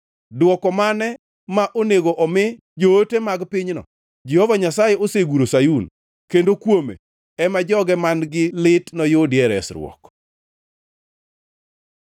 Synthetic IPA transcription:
dwɔkɔmanɛ | maʔoneɡoʔɔmɪ | d͡ʒoːtemaɡpɪɲnɔ̰ | d͡ʒɛhɔvaɲasajɛoseɡuɾosajun | kendokwomḛ | ɛmad͡ʒɔɡɛmanɡɪlɪtnɔjʊdjɛɾɛ̰sɾw̰ɔ̰k

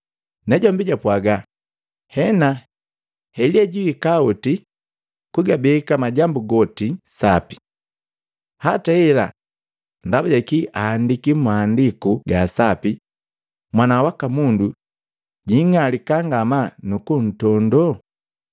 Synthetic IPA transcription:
nɛɟɔmbiɟapwaɡa | hɛna | hɛliɛɟiwikauti | kuɡabɛkamaɟambuɡɔtisapi̥ | hataɛla̰ | ndabaɟakiʔaːndikimaːndikuɡasapi | mwanawakamundu | ɟiŋalikaŋɡamanukun̩tɔndɔ

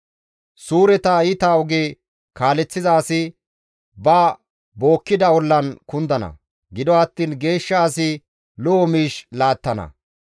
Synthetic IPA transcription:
suːɾɛt̪ɐɪt̪aɔɡeː | kaːlɛt͡sːɪzaːsɪ | bɐ | bo̞ːkːɪd̪ɐwɔlːɐnkʊnd̪ɐnɐ̰ | ɡɪd̪ɔɐt̪ːiːnɡe̞ːʃːɐːsɪ | lɔɔmiːʃlaːt̪ːɐnɐ̰

